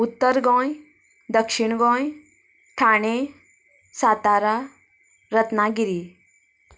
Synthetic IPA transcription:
ut̪ːəɾɡɔ̃j | d̪əkʂiɳɡɔ̃j | ʈʰaɽ̃e | sat̪aɾa | ɾət̪naɡiɾi

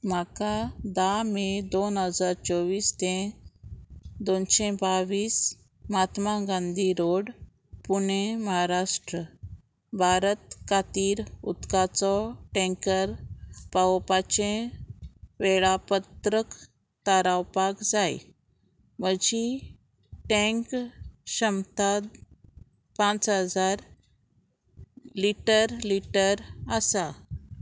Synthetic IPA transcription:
m̤akad̪amed̪onɦəd͡zaɾt͡sɔʋiːst̪ẽ | d̪onɕẽbaʋiːs | mat̪maɡãnd̪ʱiɾoɽ | puɳeməɦaɾaʂʈɾə | bʱaɾət̪̚kat̪iːɾut̪kat͡sɔʈɛ̃ŋkəɾpaʋpat͡ɕẽ | ʋeɭapət̪ɾək | t̪aɾawpakd͡zaj | məd͡ʑi | ʈɛ̃ŋkɕəmt̪ad̪ | pãt͡sɦəd͡zaɾ | liʈəɾliʈəɾəsa

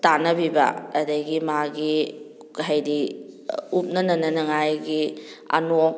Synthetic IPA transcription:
tanɐbibɐ̰ɐdɐjɡimaɡi | ɦɐjdi | up̚nɐnɐnɐnɐŋajɡi | ɐ̰nok̚

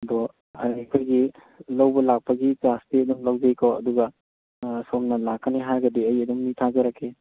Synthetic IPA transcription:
bo | ɐ̰kʰojɡi | lɐwbɐlak̚pɐɡitastiɐduŋlɐwd͡ʒejkʰawɐ̰duɡɐ | somnɐlakːɐneɦaɾɡɐdiɐjɐduŋnitʰazɐɾakʰːe

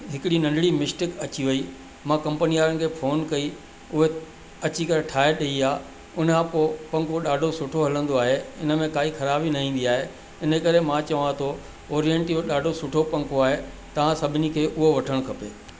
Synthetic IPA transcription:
ɦɪkɽinɐ̃ɳɖʱɽimɪʃʈɪkɐt͡ɕiʋɐi | mãkɐ̃mpənijaːɾənɪ̆kʰeːfʰoːnkɐi | ʊɦe | ɐt͡ɕikɐɾeʈʰaːɦeɗɐiaː | ʊn̤ãpoːpɐ̃ŋkoɗaːɖʱosʊʈʰoɦɐlə̃nd̪oaːɦeɪ̰nə̆mẽkaːixʰɐɾaːbinɐɦĩːnd̪iaːɦe | ɪnəkɐɾemãt͡ɕɐʋãt̪ʰo | ɔːɾieɳʈjoɗaːɖʱosʊʈʰopɐ̃ŋkoaːɦe | t̪ɐʋ̤ãsɐbʱɪnikʰeːʔʊɦoʋɐʈʰəɽ̃kʰɐpḛː

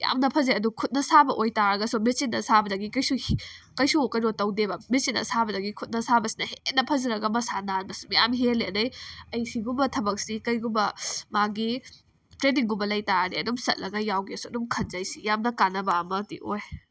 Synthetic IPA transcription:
ja̰mnɐpʰɐzeɐdukʰut̚nɐsabɐʔojtaɾɐɡɐsumesinːɐsabɐdɐɡikɐjsukɐjsuokɐjɾotɐwdebɐmisinɐ̰sabɐdɐɡikʰut̚nɐsabɐsi̥nɐhenɐpʰɐzɐɾɐɡɐmɐsananmɐsumja̰mɦeleɐnɐjɐjsiɡumbɐtʰɐbɐk̚sikɐjɡumbɐmaɡi | tɾeniŋɡumbɐlɐjtaɾniɐ̰dumsɐt̚lɐɡɐjawɡiɐsuɐdumkʰɐnzajsijamnɐkanːɐbaɐmɐtḭʔoj

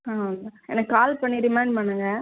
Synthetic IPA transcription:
aːʋɐnd̪ɐɛ̰nːɐkaːlpɐɳːiɾɪmaɪɳɖ̚pɐɳːɯŋɡɐ

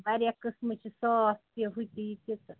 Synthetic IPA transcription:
baɾjakəsmɨt͡ʃʰisɔst̪eɦut̪it̪it̪

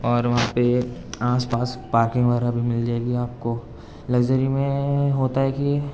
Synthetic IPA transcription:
ɔːɾʋɐɦãpeaːspaːspaːɾkɪ̃ŋɡʋəɦɛɾabʱimɪld͡ʒaːeːɡiaːp̚ko | lɐɡd͡ʒəɾimẽɦoːt̪aɦɛki

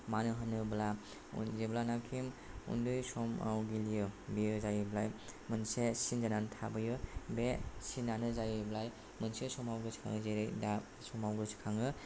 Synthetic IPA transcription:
manɯɦɯnɯbla̰ | zeblanakʰim | ṵndɯjsɔma̰wɡilijɯbejɯzajɯblajmɯnsesind͡ʒanantʰabɯjɯbesinanɯzajɯblaj | mɯnsesɔmawɡɯsi̥kʰa̰ŋɯzejɾɯjda | sɔmawɡɯsi̥kʰaŋɯ

